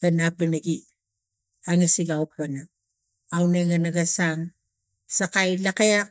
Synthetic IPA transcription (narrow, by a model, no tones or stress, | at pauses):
ɡanabanaɡi | aŋasiɡauk̚ana | awneŋanaɡasaŋ | sakajlakejak̚